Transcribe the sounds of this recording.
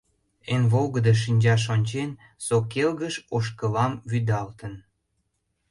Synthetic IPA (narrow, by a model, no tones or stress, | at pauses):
enβoɣəd̪əʃ̬inʲd͡ʑɑʃ̬onʲt͡ɕen | sokelɣəʃoʃ̬kəlɑmβyd̪ɑlt̪ən